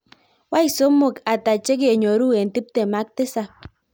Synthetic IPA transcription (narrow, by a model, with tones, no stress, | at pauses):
wa˦i˨so˨˦mʊ˨ka˨ta˨t͡ʃe˦k̬e˨ɲo˨ɾu˦e˨n˨ti˦p̚te˨ma˨˦k̚tɪ˦sa˨